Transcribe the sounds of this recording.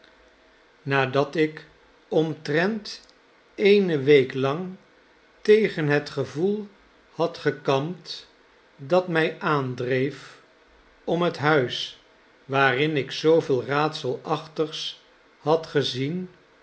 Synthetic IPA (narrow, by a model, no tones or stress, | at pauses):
naːdɑtɪk | ɔmtrɛnt | ejnəʋejklɑŋ | tejχənɦətχəvulˠ | hɑtχəkɑmt | dɑtmɛjʔaːndrejf | ɔmɦətɦœɥs | ʋaːrɪnɪksowvɪːlˠraːtsəlˠɑχtəχs | hɑtχəzin